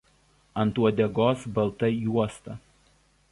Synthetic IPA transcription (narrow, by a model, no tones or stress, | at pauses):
ɐnˑt̪uɔd̪ʲɛɡoːsbɐlˠt̪ɐjuɔst̪ɐ